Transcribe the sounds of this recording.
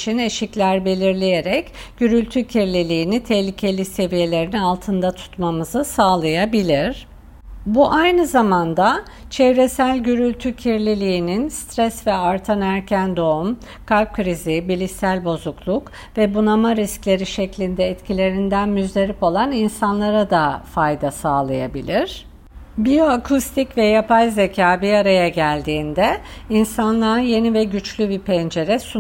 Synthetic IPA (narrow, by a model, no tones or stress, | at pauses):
t͡ʃʰine̞ʃiclʲæɾbe̞lʲiɾlʲejeɾɛc | ɟyɾylʲt̪ʰycʰiɾlʲilʲiːnit̪ʰɛhlʲicʰe̞lʲise̞vije̞lʲe̞ɾinialˠt̪ʰɯnd̪at̪ʰu̥t̪mamɯzɯsaːlˠajabilʲiɾ̥ | buʔajnɯzamand̪a | t͡ʃʰɛvɾesælʲɟyɾylʲt̪ʰycʰiɾlʲilʲiːninst̪ɾɛsvɛaɾt̪ʰanæɾcʰænd̪o̞um | kʰalʲp̚kʰɾizibilʲisælʲbo̞zuklˠuk | vɛbunamaɾisclʲe̞ɾiʃɛclʲind̪ɛːt̪cʰilʲe̞ɾind̪ænmyzlʲe̞ɾipo̞lˠaninsanlˠaɾad̪afajd̪asaːlˠaja̰bilʲiɾ̥ | bijoakʰust̪ʰicvɛjapajzecʰaːbiaɾajaɟælʲd̪iːnd̪ɛinsanlˠaje̞nivɛɟyt͡ʃlʲybipʰɛnd͡ʒe̞ɾɛsu